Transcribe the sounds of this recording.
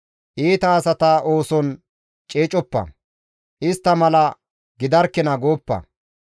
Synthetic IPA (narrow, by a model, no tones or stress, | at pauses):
ʔiːt̪ɐːsɐt̪aʔoːsɔn | t͡ʃʼeːt͡ʃʼɔpːɐ̰ | ʔɪst̪ːɐmɐlɐ | ɡɪd̪ɐɾkːɛnɐɡoːpːɐ̰